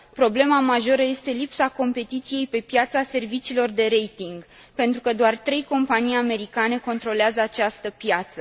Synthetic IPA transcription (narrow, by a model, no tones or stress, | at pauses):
pɾo̞ble̞mamaʒo̞ɾəje̞st̪e̞lipsako̞mpe̞t̪it̪sije̞jpe̞pjat̪sase̞rvit͡ʃiːlo̞rd̪e̞ɾe̞jt̪iŋɡ | pe̞nt̪ɾukəd̪oart̪ɾe̞jko̞mpanijame̞ɾikane̞ko̞nt̪ɾo̞leazəat͡ʃast̪əpjat̪sə